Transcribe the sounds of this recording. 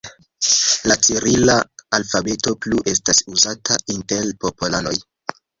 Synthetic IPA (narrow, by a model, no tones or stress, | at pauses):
lat͡siɾilaːlfabe̞to̞pluʔe̞stasuzatʰainte̞lpo̞polano̞j